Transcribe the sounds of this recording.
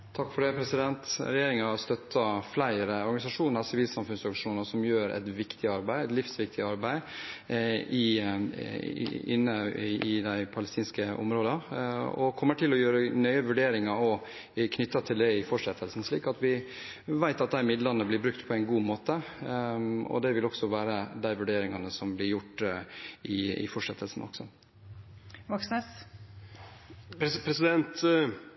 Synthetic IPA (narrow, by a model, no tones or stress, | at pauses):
t̪ʰɑkːfɔɖɛpʰɾɛsɪd̪ɛnt̪ɾɛjeːɾɪŋɑɑɾst̪œt̪ʰːɑflæɪɾəɔɾɡɑnɪsɑʂuːnsɪʋiːlsɑmfʉnsɑkʂuːnəsɔmjøːɾʔɛ̰t̪ʋɪkt̪ʰɪɑɾbæɪɛt̪lɪfsʋɪk̚t̪ɪɑɾbæɪ | ɪ | ɪ̰nːəɪd̪æɪpʰɑləst̪iːnskəʔɔ̰mɾoːd̪ɑɔ̰kʰɔmːəʈʰɪlɔjøːɾənœʏəʋʉɖeːɾɪŋɑɔ | kʰnʏt̪ːɑt̪ʰɪld̪ɛɪfɔʂɛt̪ʰːəlsn̩ʂɭḭːkɑt̪ʋɪ | ʋæɪt̪ɑt̪̚d̪æɪmɪd̪lɑnəblɪɾbɾʉkt̪pʰɔæɪnɡuːmoːt̪ə | ɔ̰d̪ɛʋɪlɔksɔʋæːɾəd̪æɪʋʉɖeːɾɪŋɑnəsɔmblɪɾjʊʈː | ɪɪ̰fɔʂɛt̪ʰːəlsn̩ʔɔ̰ɡ̥sɔ | ʋɑksnəs | pʰɾɛsɪd̪ɛnt̪